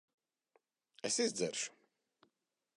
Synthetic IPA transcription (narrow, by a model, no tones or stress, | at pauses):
ɛsizd̪zɛ̰ɾʃu̥